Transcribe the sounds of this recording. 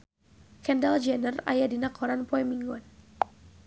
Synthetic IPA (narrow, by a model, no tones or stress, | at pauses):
kɛndald͡ʒɛnəra̰jadinakʰɔɾanpɔɛmiŋɡɔn